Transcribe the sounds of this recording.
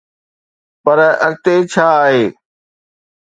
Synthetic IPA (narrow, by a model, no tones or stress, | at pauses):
pɐɾɐ̰ɾt̪et͡ɕʰaːɦeː